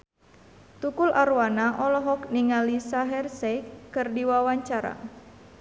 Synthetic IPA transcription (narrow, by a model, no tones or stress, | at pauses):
t̪ukulʔaɾuwanaʔɔlɔɦɔkniŋalisaɦɛrsɛkɨrdiwawaɲt͡ʃaɾa̰